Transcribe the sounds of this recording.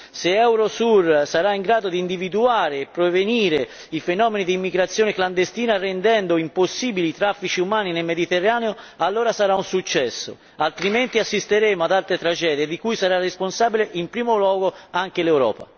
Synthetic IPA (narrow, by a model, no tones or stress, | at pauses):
seɛwɾosursaɾaiŋɡɾaːd̪od̪iːnd̪ivid̪uaːɾeːpːɾeveniːɾe | ifenɔːmenid̪iːmːiɡɾat̪sːjɔːnekland̪est̪iːnarɛnd̪ɛnd̪oimposːiːbiliːt̪ɾafːit͡ʃiumaːninelmed̪it̪erːaːneo | alːoːɾasaɾaunsut͡ʃːɛsːo̰ | alt̪ɾiment̪iasːist̪eɾeːmoad̪alt̪ɾet̪ɾad͡ʒɛːd̪ied̪ikujsaɾarːesponsaːbileʔimpɾiːmolwɔːɡoaŋk̟elewɾɔ̰ːpa̰